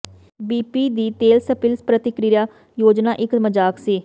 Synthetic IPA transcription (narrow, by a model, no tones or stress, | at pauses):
biːpiːd̪iːt̪eːlsəpɪlspɾət̪ɪkɾijaː | joːd͡ʒnaːʔɪkməd͡ʒaːksiː